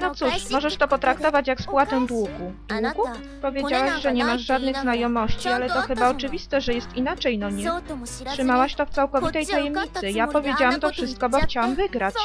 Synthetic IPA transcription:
nɔt̪suʂmɔʐɛʂt̪ɔpɔt̪ɾakt̪ɔvat͡ɕjakspwat̪ɛw̃d̪wuɡud̪wuɡu | pɔvʲjed͡ʑawaɕʐɛɲɛmaʐʐad̪nɘɣznajɔmɔɕt͡ɕialɛt̪ɔxɘbaɔt͡ʂɘvʲist̪ɛʐɛjɛst̪inat͡ʂɛjnɔɲɛ | tʂɘmawaɕt̪ɔft̪sawkɔvʲit̪ɛjt̪ajɛmɲit̪sɘjapɔvʲjed͡ʑawamt̪ɔfʂɘst̪̚kɔbɔxt͡ɕawamvɘɡɾat͡ɕ

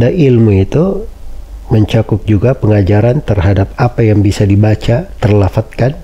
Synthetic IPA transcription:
dailmuit̪u | məɲt͡ʃakʊp̚d͡ʒuɡapəŋad͡ʒaɾant̪ərɦadap̚apajaŋbisadibat͡ʃat̪ərlafat̪̚kan

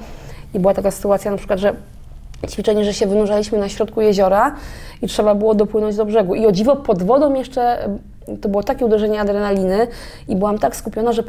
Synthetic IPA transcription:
ibɘwat̪akasɘ̥t̪uat̪sjanapʂɘ̥kwad̪ʐɛ | t͡ɕfʲit͡ʂɛɲɛʐɛɕɛvɘnuʐalʲiɕmɘnaɕɾɔt̪̚kujeʑɔɾaitʂɛbabɘwɔd̪ɔpwɘnɔɲd͡ʑd̪ɔbʐɛɡuiɔd͡ʑivɔpɔd̪vɔd̪ɔmjɛʂt͡ʂɛ | t̪ɔbɘwɔt̪akʲɛud̪ɛʐɛɲɛad̪ɾɛnalʲinɘ | ibɘwamt̪akskupʲjɔnaʐɛp

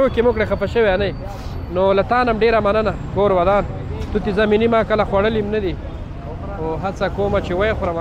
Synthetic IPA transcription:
okemʊkɽexapaʃəweanaj | nolat̪ɑːnamɖeɾamanəna | koːɾwad̪ɑːn | t̪ut̪ezaminimɑkəlaxwaɽəlimnad̪i | oɦat͡sakoːmat͡ʃewajexɾawa

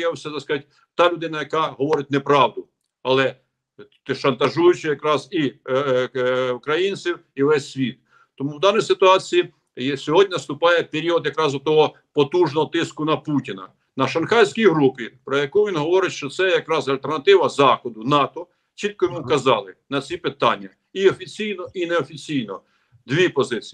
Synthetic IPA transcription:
jɛwsʲɛzɐskɐtʲ | t̪ɑlʲʊd̪ɪnɐjɐkɑɦɔʋɔɾɪt̚ʲnɛpɾɑwd̪ʊ | ɐlˠɛ | ʃɐnt̪ɐʒujʊt͡ʃɪjɐkɾɑzi | ukɾɐjinʲt͡sʲiwiʋɛsʲːʋʲit̪̚ | t̪ɔmuwd̪ɑnɔjsɪt̪ʊɑt͡sʲiji | sʲɔɦɔdʲnʲinɐst̪ʊpɑjɛpeɾʲiɔd̪jɐkɾɑzɔt̪ːɔɦɔ | pɔt̪uʒnɔɦɔt̪ɪskʊnɐputʲinɐ̰ | nɐʃɐnxɑjsʲkʲijɦɾupʲɪpɾɔjɐkuʋʲinɦɔʋɔɾɪtʲʃt͡ʃɔt̪sɛjɐkɾɑzɐlʲt̪ernɐt̪ɪʋɐzɑxɔd̪ʊnɑt̪ɔ | t͡ʃit̪̚kɔjimɪwkɐzɑlˠɪnɐt͡sʲipɪt̪ɑnʲːɐ | iɔfʲit͡sʲijnɔʔinɛɔfʲit͡sʲijnɔ | d̪ʋʲipɔzɪt͡sʲi

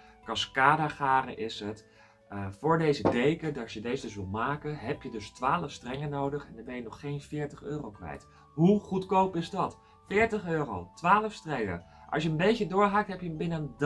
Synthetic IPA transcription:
kɑskaːdaχaːrə̰ʔɪsɦət | fʊːɹdejzədejkədɑtjədejzdəs̬ʋɪlˠmaːkəɦɛpjədɵstʋaːləfstrɛŋənowdəχɛndəɹbɛjənɔχːejnvɪːɹtəχøːrowkʋɛ̰jt | ɦuχutkowpɪzdɑt | fɪːɹtəχøːrowtʋaːləfstrɛŋə̰ʔɑ̰sjəənbejcədʊːɹɦaːk̚tɦɛpjəbɪnənd

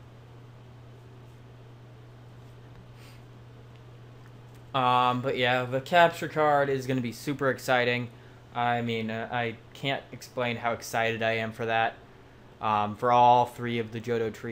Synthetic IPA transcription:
ʌ̃mbʌʔ̚jæðɨkʰæp̚t͡ʃə˞kʰɑɹɾɪzɡʌnɨbisʉpə˞ɨksaɪɾɪ̃ŋ | ʔaɪmĩnʔaɪkʰæ̃ntɨksplẽɪ̃nhaʊɨksaɪɾɨɾaɪɨ̃ɱfə˞ðæt̚ | ʔʌ̃mfə˞ɔlˠθɹiʌvðɨd͡ʒoʊɾoʊtʰɹ̥i

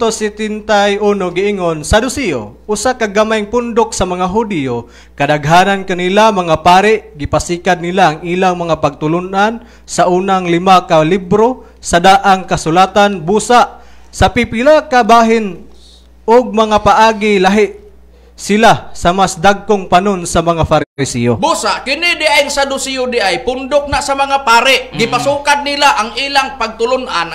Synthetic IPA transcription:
t̪osɪt̪ɪnt̪ajʔuːnoɡɪɪŋonsad̪ʊsejo̰ʔʊsakaɡamajŋpʊnd̪ʊksamaŋaɦʊd̪jo | kad̪aɡɦaːnankanilamaŋapaːɾɪʔɡɪpasikad̪̚nilaʔːŋiːlaŋmaŋapaɡ̚t̪ʊlʊnʔan | saʔuːnaŋlɪmakalibɾo | sad̪aʔaŋkasʊlaːt̪anbuːsaʔ | sapɪpɪlakabaːɦɪn | ʔʊɡ̚mɐŋapaʔaːɡilaɦɪʔ | sɪlasamasd̪aɡ̚kʊŋpanonsamɐŋafaɾɪsijobusaʔkɪnɪd̪ɪʔajŋsad̪ʊsijod̪ɪʔajpʊnd̪ʊk̚naʔsamɐŋapaːɾɪʔɡɪpasuːkad̪̚nilaʔaŋiːlaŋpaɡ̚t̪ʊlʊnʔan

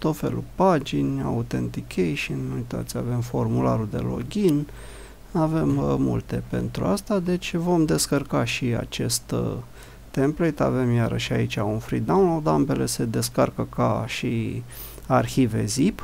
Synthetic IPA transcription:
t̪o̞t̪fe̞̰lṵpad͡ʒinʲa̰ut̪e̞nt̪ikʲʰejʃinnuujt̪a̰t̪sʲave̞mfo̞rmula̰ɾud̪e̞̰lo̞̰ɡʲin | ave̞mmṵlt̪e̞pe̞̰nt̪ɾṵast̪ad̪e̞t͡ʃʲvo̞md̪e̞skərkaʃia̰t͡ʃe̞st̪ | t̪ːemplejt̪a̰ve̞mjaɾəʃait͡ʃʲaunfɾid̪awnlowd̪ambe̞le̞se̞d̪e̞skarkəka̰ʃi | arxive̞̰zip

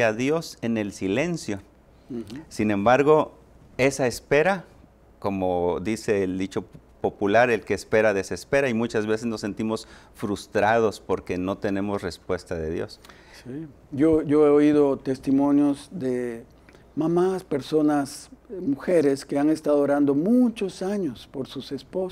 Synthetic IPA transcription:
aðjo̞se̞ne̞lsile̞nsjo̞ | sinẽ̞mbaɾɣo̞ | e̞saespe̞ɾa | ko̞mo̞ðise̞ːld̪it͡ʃo̞po̞pulaɾe̞lkeːspe̞ɾaðe̞se̞spe̞ɾaimut͡ʃazβe̞sezno̞sːe̞nt̪imo̞s | fɾust̪ɾað̞o̞spo̞ɾke̞no̞t̪e̞ne̞mo̞sre̞spwe̞st̪aðe̞ðjo̞̰s | si | joʝoeoiðot̪est̪imõ̞njozd̪e | mamaspe̞ɾso̞nasmuxeɾeskeaŋest̪aðooɾand̪o̞mut͡ʃosaɲospoɾsusespos

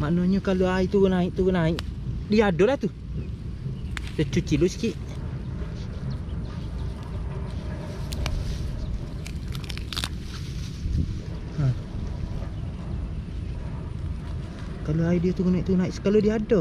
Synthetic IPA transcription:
maʔnoɲukaloait̪uɡunaiʔt̪uɡunaiʔdiadolaht̪u | sət͡ʃut͡ʃilusi̥kiʔ | ha | kaloaidiot̪uɡunaiʔt̪unaiʔsə̥kalodiadɔ

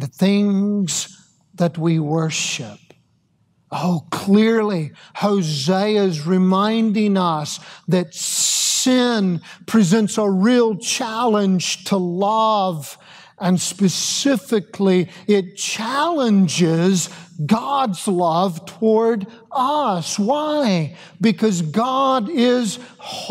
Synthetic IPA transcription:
θɪ̃ŋz | ðɨt̚wiwɜ˞ʃɪp̚ | oʊkʰl̥ɪɹlihoʊzeɪɨzɹɨmãɪ̃ndɪ̃ŋʌsðɨtsɪ̃npʰɹ̥izɛ̃ntsəɹilˠt͡ʃʰælˠə̃nd͡ʒʒ̥tʰəlʌv | ʔɨ̃nspɨsɪfɨkʰliɪt̚t͡ʃʰælˠə̃nd͡ʒɪzɡɑdzlʌv̥tʰəwɔɹd | ʌswaɪ | bɨkʰʌzɡɑɾɪz̥h

